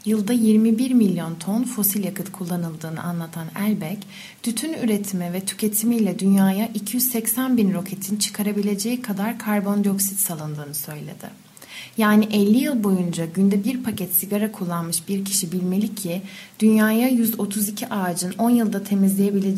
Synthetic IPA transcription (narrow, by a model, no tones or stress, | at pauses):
jɯlˠd̪ajiɾmibiɾmilʲjo̞nt̪ʰo̞nfo̞silʲjakʰɯt̪kʰulˠːanɯlˠd̪ɯːnɯ̰ʔa̰nlˠat̪ʰanælʲbɛc | d̪̥yt̪ʰynyɾe̞t̪ʰimɛvɛt̪ʰy̥cʰe̞t̪ʰimilʲɛd̪ynjaːjaʔicʰijyzsɛcsænbinɾo̞cʰe̞t̪ʰint͡ʃʰɯ̥kʰaɾabilʲe̞d͡ʒe̞jikʰad̪aɾkʰaɾbo̞nd̪io̞ksit̪salˠɯnd̪ɯːnɯsø̞jlʲḛd̪̥ɪ̰ | jaːniʔɛlʲːijɯlˠbo̞jund͡ʒaɟynd̪ɛbiɾpʰacʰɛt̪siɡaɾakʰulˠːanmɯʃbiɾcʰi̥ʃibilʲme̞lʲicʰːid̪̥ynjaːjajyzo̞t̪ʰuzicʰiʔaːd͡ʒɯno̞njɯlˠd̪at̪ʰe̞mizlʲeje̞bilʲed͡ʒ